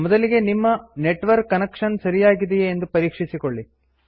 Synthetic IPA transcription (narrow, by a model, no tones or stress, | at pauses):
mɔd̪ɐliɡe̞nimːɐneʈʋɐɾkːɐnekʂɐnsɐɾijaːɡid̪ɛjeːnd̪upɐɾiːkʂisikoɭːi